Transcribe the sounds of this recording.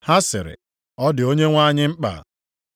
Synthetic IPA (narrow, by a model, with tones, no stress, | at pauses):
ha˦sɪ̰˨ɾɪ̰˨ | ɔ˦dɪ˨o˦ɲe˦ŋʷa˦ɲɪ˦ŋ͡m̩˦k͡pa̰˨